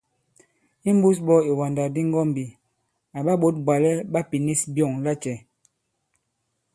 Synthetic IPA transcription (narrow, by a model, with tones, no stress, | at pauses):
i˦m˦bu˦s̬bɔ˦i˨wa˨nda˨di˦ŋ˦ɡɔ˦m˨bi˨ | a˨ɓa˦ɓo˦t̚ba˨lɛ˦ɓa˦pi˨ni˦sbjɔ˦˨ŋla˦t͡ʃɛ˨